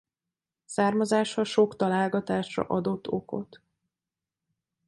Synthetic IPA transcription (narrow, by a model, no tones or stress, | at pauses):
saːrmɒzaːʃhɒʃo̞kt̪ɒlaːlɡɒt̪aːʃrɒ̰ʔɒd̪o̞t̪ʰːo̞̰ko̞̰t̪